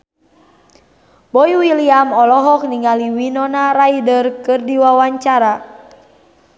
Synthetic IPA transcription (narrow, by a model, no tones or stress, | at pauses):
bɔjwiliamɔlɔɦɔk̚niŋaliwinɔnaɾaidərkɨrdiwawaɲt͡ʃaɾa